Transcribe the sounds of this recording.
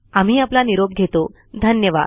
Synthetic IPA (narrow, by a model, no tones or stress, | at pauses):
am̤iːaplaniɾob̚ɡʱet̪o | d̪ʱənjəʋa̰d̪